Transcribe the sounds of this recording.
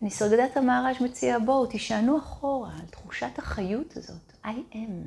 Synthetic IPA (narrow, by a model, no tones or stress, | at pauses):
nisaʁɡadathamaːʁaʃmat͡siabo̞tiʃanuaχo̞ʁaːltχuʃathaχajutʰazo̞tʔajʔem